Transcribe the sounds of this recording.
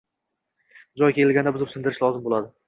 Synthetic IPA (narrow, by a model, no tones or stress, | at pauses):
d͡ʒɒjkʲe̞lɪlɡʲand̪abʊzɪpsɪnd̪ɪɾɪʃlˠɒzɪmbolˠad̪ɪ